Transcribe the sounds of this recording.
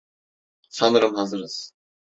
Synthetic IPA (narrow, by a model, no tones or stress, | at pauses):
sanɯɾɯmhazɯɾɯz̥